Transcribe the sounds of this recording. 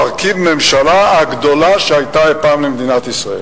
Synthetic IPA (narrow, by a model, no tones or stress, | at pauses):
aʁkivmemʃalaaɡd̪o̞laʃeajt̪aepaːmlemd̪inat̪isʁael